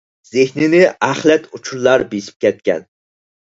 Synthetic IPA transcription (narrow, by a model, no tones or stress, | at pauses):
z̥ɪhnɪnɪæχlɛt̪ut͡ʃʰuɾlˠɑɾbesɪ̥p̚kʲɛt̪̚kʲɛ̰n